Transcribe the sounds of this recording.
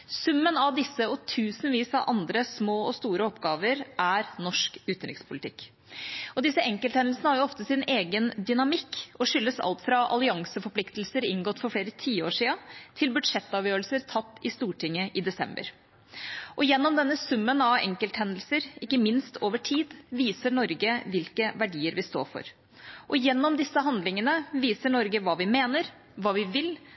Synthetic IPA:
sʉmːənɑʋd̪ɪsːəɔt̪ʰʉːsn̩ʋiːsɑʋʔɑnd̪ɾəsmoːɔst̪uːɾəɔpːɡɑːʋəɾʔæɾnɔʂkʉːt̪n̩ɾɪkspʰʊlɪt̪ʰɪkː | ɔd̪ɪsːəɛŋkəlt̪hɛnl̩sənəhɑɾjʊɔft̪əsɪneːɡənd̪ʏnɑmɪkːɔʂʏlːəsɑ̰lt̪fɾɑʔɑ̰lɪɑŋsəfɔɾpʰlɪkt̪lsəɾɪŋɡɔt̪ːfɔɾfleːɾət̪ʰiːəoːʂiːɑt̪ʰɪlbʉd̪ʂɛt̪ːɑʋjøːɾəlsəɾt̪ʰɑt̪ːɪst̪uːʈʰɪŋːəʔɪd̪ɛsɛ̰mbə̰ɾ | ʔɔjɛnːɔmd̪ɛnːəsʉmːənɑʋɛ̰ŋkəlt̪hɛnd̪l̩səɾɪkːəmɪnst̪ʰoːʋəʈʰiːd̪ʋiːsəɳɔɾɡəʋɪlkəʋæɖiːəɾʋɪst̪o̰ːfɔ̰ɾ | ʔɔjɛnːɔmd̪ɪsːəɦɑnd̪lɪŋənəʋiːsəɳɔɾɡəʋɑːʋɪmeːnəɾ | ʋɑːʋɪʋɪl

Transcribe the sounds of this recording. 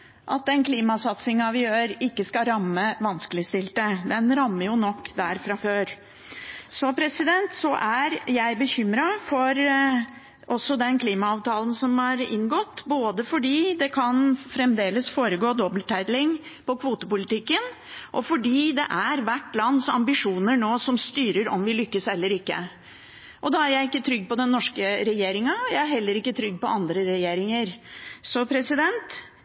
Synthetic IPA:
ʔɑ̰t̪̚d̪ɛnkʰliːmɑsɑt̪sɪŋɑʋɪjøːɾɪkːəskɑɾɑmːəʋɑnskəlɪst̪ɪlt̪əd̪ɛnɾɑmːəjʊnɔkːd̪æɾfɾɑføːɾ | sɔpʰɾɛsɪd̪ɛnt̪sɔʔæɾjæɪbəçʏmɾɑfɔɾ | ʔɔsːɔd̪ɛnkʰliːmɑɑːʋt̪ʰɑːlən̩sɔmhɑɾɪ̰ŋːɡɔt̪ːboːd̪əfɔɖiːd̪ɛkʰɑnfɾɛmd̪eːləsfoːɾəɡoːd̪ɔbəlt̪ʰæɪd̪lɪŋpɔkʰʋuːt̪əpʊlɪt̪ɪkːən | ʔɔfɔɖiːd̪ɛ̰ʔæɾʋæʈːlɑnːsɑ̰mbɪʂuːnəɳoːsɔmst̪yːɾəɾɔ̰mʋɪlʏkːəsɛlːəɾɪkːə̰ | ʔɔd̪ɑːæɾjæɪɪkːət̪ʰɾʏɡːpɔd̪ɛnːɔʂkəɾɛjeːɾɪŋɑjæɪæɾɦɛlːəɾɪkːət̪ʰɾʏɡːpɔɑnd̪ɾəɾɛjeːɾɪŋəɾsɔpʰɾɛsɪd̪ɛnt̪

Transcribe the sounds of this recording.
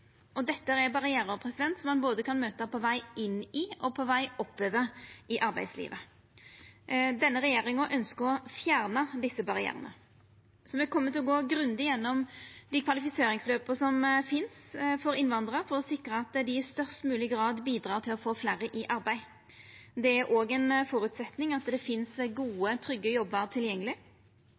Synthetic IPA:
ɔd̪ɛt̪ːəəɛbɑʁɪeːɾɔpʰɾɛsɪd̪ɛnt̪sɔmɑnboːd̪əkʰɑnmøːt̪əpʰɔʋæɪɪnɪɔpʰɔʋæɪʔɔpːøːʋəɪʔɑɾbæ̰ɪd̪slḭːʋʔə | d̪ɛnːəʁɛjeːʁɪŋəʔœnskəɔfjæːʁnəd̪ɪsːəbɑʁɪæ̰ːɾə̰nə̰ | sɔʋɛkʰɔmːət̪ʰɪlɔɡoːɡɾʉnd̪ɪjɛnːɔmd̪ɪkʰʋɑlɪfɪseːɾɪŋsløːpəsɔmfɪnsfɔɾɪnʋɑnd̪ʁəfɔɾɔsɪkɾəɑt̪d̪ɪɪst̪œʁst̪mʉːlɪɡɾɑːd̪biːd̪ɾɑːt̪ʰɪlɔfoːflæːɾəʔɪʔɑɾbæɪ | d̪ɛæɾʔoːɡɛnfɔɾʉt̪sɛt̪nɪŋɑt̪d̪ɛfɪnsɡuːət̪ʰɾʏɡːəjɔbːəɾt̪ʰɪljɛŋːəlɪ

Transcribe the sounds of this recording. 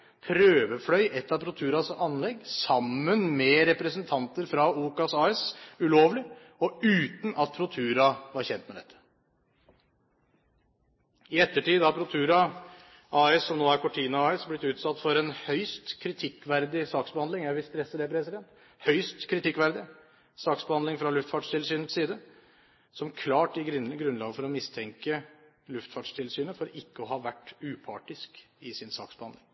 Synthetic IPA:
pʰɾøːʋəflœʏʔɛt̪ːɑpʰɾʊt̪ʰʉːɾɑsɑnlɛɡːsɑmːənmɛɾɛpɾəsənt̪ʰɑnt̪əɾfɾɑuːkɑsɑːɛsʉloːʋlɪ | ɔʉːt̪nɑt̪̚pʰɾʊt̪ʰʉːɾɑʋɑɾçɛnt̪mɛd̪ɛ̰t̪ʰːə̥ | ɪɛt̪ːəʈiːd̪ɑpʰɾʊt̪ʰʉːɾɑ | ʔɑːɛsːɔmnoːæɾkʰʊʈʰiːnʊɑːɛsblɪt̪ːʉːt̪sɑt̪ːfɔɾɛnhœʏst̪kʰɾɪt̪ʰɪkːʋæɾd̪ɪsɑːksbəhɑnd̪ɪŋjæɪʋɪlst̪ɾɛsːəd̪ɛpʰɾɛsɪd̪ɛnt̪ | hœʏst̪kʰɾɪt̪ɪkːʋæɾd̪ɪ | sɑːksbəhɑnd̪ɪŋfɾɑlʉft̪fɑːʈʂt̪ʰɪlsyːnət̪siːd̪ə | sɔmkʰlɑːʈɪɡɾʉnlɑːɡəfɔɾɔmɪst̪ʰɛŋkə | lʉft̪fɑːʈʂt̪ʰɪlsyːnəfɔɾɪkːəɔɦɑːʋæʈːʉːpʰɑ̰ːʈɪskɪsɪnsɑ̰ːksbəhɑnd̪ɪŋ

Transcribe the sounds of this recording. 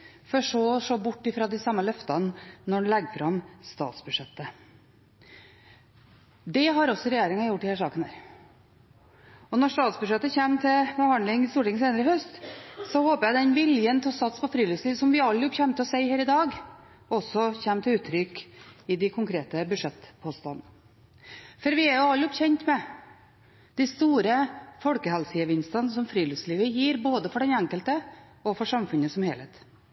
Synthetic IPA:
fɔʂɔːɔʂoːbʊʈːɪfɾɑːd̪æɪsɑmːəlœft̪ɑnːɔɖlɛɡfɾɑmst̪ɑ̰ːt̪sbʉʂɛt̪ːə | d̪ɛɦɑɾɔsːɔɾɛjeːɾɪŋɑjʊʈːɪhæːʂɑːkənhæɾ | ɔnɔʂt̪ɑːt̪sbʉʂɛt̪ːəçɛmːt̪ʰɪlbəhɑnɪŋɪst̪uːʈɪŋən̩seːnəɾəhœst̪sɔhoːpəjæɪd̪ɛnʋɪljənt̪ʰɛɔsɑt̪spʰɔfɾiːlʉːsliːʋsɔmʋɪɑlːəjɔpçɛmt̪ʰɔsæɪhæːɾɪd̪ɑːɡ | ɔsɔçɛmːt̪ʰɪlʉːt̪ʰɾʏkɪd̪ɪkʰʊŋkʰɾeːt̪əbʉʂɛt̪ːpʰoːst̪ɑnː | fɔɾʋɪæɾjʊɑlɔpçɛnt̪mɛ | d̪̥ɪst̪uːɾəfɔlkəhɛlsəəʋɪnst̪ənsɔmfɾiːlʉsliːʋəjiːɾboːd̪əfɔɖɛnæŋkəlt̪ə | ɔfɔʂɑmfʉnəsɔmheːlɛɪt̪

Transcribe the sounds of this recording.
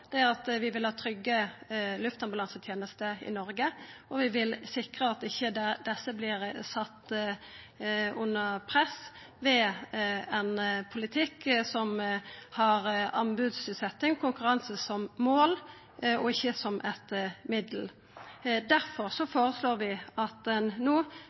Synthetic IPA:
d̪̥ɛæʁɑt̪ʋɪʋɪlhɑːt̪ʰɾʏɡːəlʉft̪ɑmblɑnsət̪ʰjeːnəst̪əɪ̰nɔɾɡəɔʋɪʋɪlsɪkʁəɑt̪ɪçːəd̪ɛsːəblɪɾsɑt̪ː | ʉnːəpʰɾɛs | ʋɛ | ɛnpʰʊlɪt̪ʰɪkːsɔmhɑɾɑnbʉːd̪sʉːt̪sɛt̪ːɪŋkʰʊŋkʉɾɑnsəsɔmmoːl | ɔɪçːəsɔmʔɛt̪mɪd̪əl̩ | d̪æʁfɔʁsɔfoːʁəsloːʁʋɪɑt̪ɛnnuː

